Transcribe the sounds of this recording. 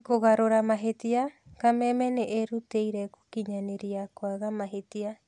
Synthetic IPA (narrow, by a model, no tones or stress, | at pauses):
koɣaɾoɾamaɦetia | kamemeneʔeɾutejɾaku̥kiɲaneɾiakoaɡamaɦetia